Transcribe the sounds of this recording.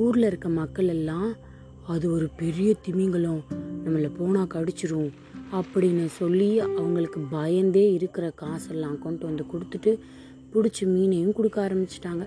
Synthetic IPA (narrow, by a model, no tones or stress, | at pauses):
uːɾlɐɪɾɯkːɐmɐkːɐɭɛlːãː | ɐðɯɔɾɯpɛɾɪjɐt̪ɪmɪŋɡɐɭʊ̃nɐmːɐlːɐpoːnaːkɐɽɯt͡ʃːɯɾɯʊ̃ | ɐpːɐɽɪnːɐsɔlːiɐʋɐŋɡɐɭɯkːɯbɐjɐnd̪eːɪɾɯkːɪɾɐkaːsɛlːãːkɔɳʈʋɐnd̪ɯkʊɽɯt̪ːɯʈːɯ | pʊɽɪt͡ʃːɯmiːnɐjɯ̃mkʊɽɯkːaːɾɐmbɪt͡ʃːɯ̥ʈːaːŋɡɐ